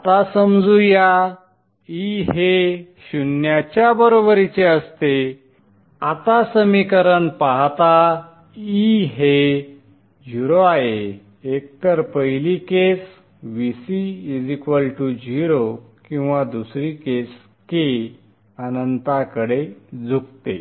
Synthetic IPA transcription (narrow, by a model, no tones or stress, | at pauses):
at̪asəmd͡zuja | iɦeɕunjat͡ɕjabəɾobəɾit͡seəst̪e | at̪asəmikəɾənpaɦt̪a | iɦe | d͡ʑiɾoajeː | k̚t̪əɾpəjlikes | ʋisiid͡zikʋəlʈud͡ʑiɾo | kĩw̃ʋad̪usɾikes | ke | ənənt̪akəɽed͡zʱuk̚t̪ḛ